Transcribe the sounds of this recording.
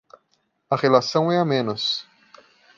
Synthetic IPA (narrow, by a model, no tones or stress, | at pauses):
ɐʁelasɐ̃w̃ɛɐmẽnɐs